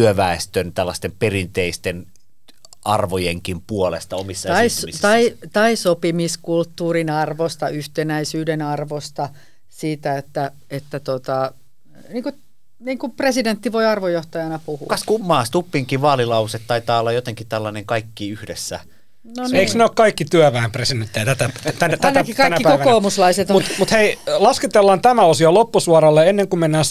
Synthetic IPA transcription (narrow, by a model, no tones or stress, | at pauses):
yøʋæˑest̪ønt̪ælːɑst̪emperint̪eist̪en | ɑrʋojeŋkimpuolest̪ɑomisːɑɑitsmist̪ɑit̪ɑisopimiskult̪ːuːrinɑrʋost̪ɑyht̪enæisyːdenɑrʋost̪ɑ | siːt̪æet̪ːæ | et̪ːæt̪ot̪ɑ | niːŋku | niːŋkupresident̪ːiʋoiɑrʋojoht̪ɑjɑnɑpuhṵkɑskumːɑːst̪upːiŋkiʋɑːlilɑuset̪t̪ɑit̪ɑːolːɑjot̪eŋkit̪ælːɑneŋkɑikːiyhdḛsːæ̰ | nnoneiksneoːkkɑikːit̪yæʋææmpresident̪ːejæt̪æt̪æt̪ænt̪æiɑkikɑinæːikoʋkoːmuslɑiset̪mut̪mut̪heilɑsket̪elːɑnt̪æmæosiɑlopːusuɑɾɑlːeenːeŋkumenːæːs